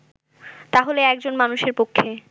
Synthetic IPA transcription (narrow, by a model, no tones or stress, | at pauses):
t̪aɦoleɛk̚d͡ʑonmanuʃeɾpokʰːe